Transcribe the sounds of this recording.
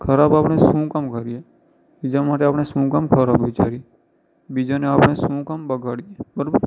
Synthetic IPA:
kʰəɾabapɽ̃esũkamkəɾije | bid͡ʒamaʈeaːpɽ̃esũkamkʰəɾabʋɪt͡ʃaɾie | bid͡ʒaneapɳ̃esũkambəɡʱaɽiebəɾobəɾ

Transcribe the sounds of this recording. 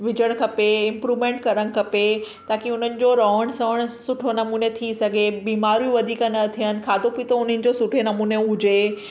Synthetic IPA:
ʋɪd͡ʑəɽ̃kʰɐpeɪ̃mpɾuːʋmẽːɳʈkɐɾəɽ̃ɪ̆kʰɐpe | t̪aːkiʊn̤ənɪ̆d͡ʑoɾɔːɦəɽ̃sɐʋəɽ̃sʊʈʰonɐmuːnet̪ʰisɐɡʱebiːmaːɾjũʋɐd̪ʱiːkənɐt̪ʰiɦənɪ̆kʰaːd̪ʱopit̪oʊn̤ənɪ̆d͡ʑosʊʈʰenɐmuːneʊd͡ʑe

